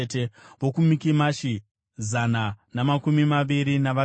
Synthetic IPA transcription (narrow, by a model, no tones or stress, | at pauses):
teʋo̞kumikimaʃi | zananamakumimaʋiɾinaʋa